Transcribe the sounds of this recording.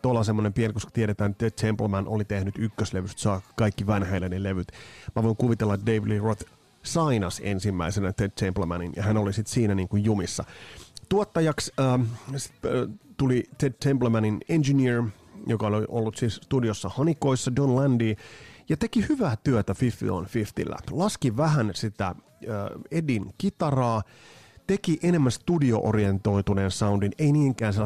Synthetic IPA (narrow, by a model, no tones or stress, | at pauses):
t̪olːɑsemːonempienikoskɑ̥t̪ieɾet̪æːnt̪ːedt̪ʰemplmænʔolit̪ehnyt̪ykːøsleʋyst̪sɑːkkɑikːiʋɑnhæilːæneleʋyt̪mæʋoiŋkuʋit̪elːɑdeiʋilirot̪ | sɑinɑsḛnsimːæisenæt̪edt̪ʰemplmænḭnjɑ̰hænolisit̪siːnæniːŋkujjumisːɑ̰t̪uot̪ːɑjɑksəːsi̥t̪t̪ulit̪ed̚t̪ʰemplmæninend͡ʒinir | jokɑolʔo̰lːut̪siːsst̪udiosːɑhɑniko̞isːɑdonlændiːjɑt̪e̞kihyʋæːt̪yøt̪æfifːḭo̰nfift̪ḭlːæ̰lɑskiʋæɦænsit̪æ | əːedinkit̪ɑrɑː | t̪e̞kiʔenemːænst̪udio̞̰ʔo̰rient̪o̞ijt̪uneːnsɑundineiniːŋkæːnselː